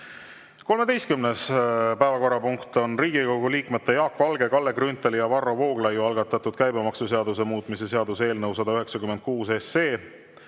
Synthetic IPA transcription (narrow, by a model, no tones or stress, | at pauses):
ko̞lme̞d̪e̞jst̪̚kymnespæevɑko̞rːɑpuŋkt̪o̞nriːɡiko̞ɡuliːkmet̪ːejɑːkːoɑlɡe̞kɑlːe̞ɡ̥rynt̪ːˑelijɑvɑro̞vo̞ːɡ̥lɑjuɑlɡ̥ɑt̪ːˑɑt̪ːˑud̪̥kæjbemɑksuse̞ɑd̪use̞muːt̪mise̞se̞ɑd̪use̞ːlnɤwsɑd̪ɑyɦe̞ksɑkymend̪̚kuːsesːeː